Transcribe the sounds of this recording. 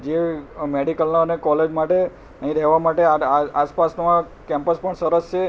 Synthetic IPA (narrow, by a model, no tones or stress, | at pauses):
d͡ʒemeɽikəlnaənekɔled͡ʒmaʈe | nəɦĩɾɛɦʋamaʈeaaaspasmã | kɛ̃mpəspəɳsəɾəst͡ʃʰe